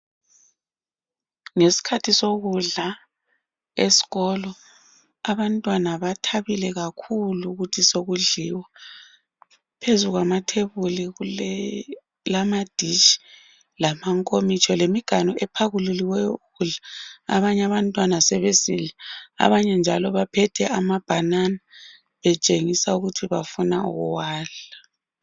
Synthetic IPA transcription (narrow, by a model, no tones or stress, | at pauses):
ŋesi̥kʰatʰisoɣuɮa | esi̥ɣɔlɔ | aβantʼwanaβatʰaβilɛɣakʰuluɣutʰisoɣuɮiwa | pʰezuɣwamatʰeβuliɣu | lamad̥ʱit͡ʃi̥ | lamaŋkʼomit͡ʃʰʼɔlemiɡ̥ʱanɔʔɛpʰaɣululiwɛjɔuɣuɮaa̰βaɲaβantʼwanasɛβesilɛa̰βaɲɛnd͡ʒʱalɔβapʰɛtʰɛamab̥ʱanana | βɛt͡ʃʼeŋisauɣutʰiβafuna̰ṵɣuwaːɮa